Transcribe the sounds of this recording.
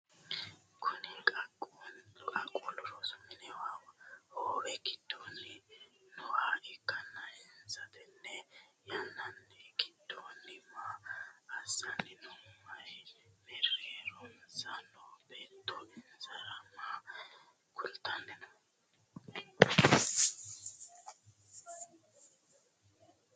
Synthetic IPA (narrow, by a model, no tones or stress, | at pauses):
kʰʊnɪkʼɐkʼːɔkʼɐkʼːɔlɔɾɔsʊmɪnɛwawoːwɛkɪd̪̥ːonːɪnɔwaːʔɪkːɐnːɐɪnzɐt̪ɪnːɛjɐnːɐnːɛɡɪd̪̥ːonːɪmaː | sɐnɪnʊmːɐjmɛreɾɔnsanɔbɛt̪ːɔɪnzɐɾɐma | kʊlt̪ːɐnːɛnɔ